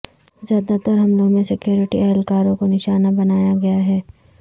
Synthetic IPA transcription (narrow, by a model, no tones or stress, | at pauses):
zjaːd̪at̪əɾɦɐmlõmẽsɪkjoːɾɪʈiɛɦlkaːɾõkonɪʃaːnabɐnaːjaɡɐjaɦɛː